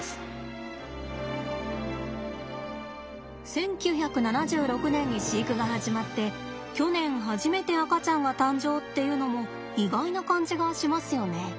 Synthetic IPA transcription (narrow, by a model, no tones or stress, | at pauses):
sɨ̥ | sẽ̞ŋkʲɨːçakɯ̟nanaʑɨːɾo̞kɯ̟nẽ̞ɲ̟ːiɕiːkɯ̟ɡaɦaʑimat̪ːe̞ | kʲo̞nẽ̞ɰ̃ɦaʑime̞t̪e̞akat͡ɕãŋɡat̪ãɲ̟d͡ʑo̞ːt̪ːe̞jɯ̟no̞mo̞ | iɡainakãɲ̟d͡ʑiɡaɕimasɨjo̞ne̞